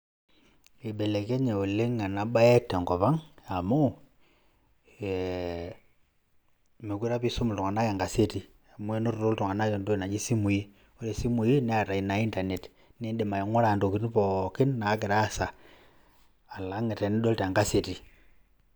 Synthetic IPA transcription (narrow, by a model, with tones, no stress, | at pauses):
i˨be˨le˨ke˦ɲe˨o˨le˦ŋa˨na˨ɓa˦ɛ˦te˨ŋɡɔ˨pa˦ŋa˨mo˦˨ | me˨ki˦ɾa˦pi˦so˦mʊ˨ltu˨ŋa˨na˦ka˨ŋɡa˨se˦ti˨ | a˨mwe˦no˦ɾo˨ɾo˦ltʊ˨ŋa˨na˦jɔ˨ndo˦i˨na˨d͡ʒi˦si˦mu˨ji˦ | o˦ɾe˨si˦mu˨ji˦nɛ˦a˨ta˨i˨na˨i˦nta˨ne˨t | ni˦nde˨ma˨i˨˦ŋwɔ˦ɾa˨ndo˨kɪ˦n˦pɔ˨kɪ˦nːa˨˦k̬ɪ˨ɾa˦˨sa˨ | la˨˦ŋɛ˨te˨ni˦ɗo˦ltːŋɡa˦se˨ti˨